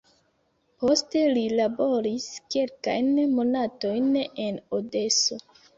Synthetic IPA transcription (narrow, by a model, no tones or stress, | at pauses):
po̞ste̞lilabo̞ɾiske̞lka̰jnmo̞nato̞jne̞node̞so̞